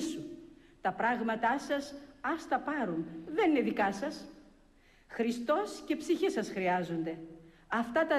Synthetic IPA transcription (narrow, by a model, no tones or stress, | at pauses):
sut̪ɐpɾɐɣmɐt̪ɐsɐsɐst̪ɐpɐɾunðe̞nine̞ðikɐsɐs | xɾist̪o̞sce̞psiçesɐsxɾiɐzond̪e̞ | ɐft̪ɐt̪ɐ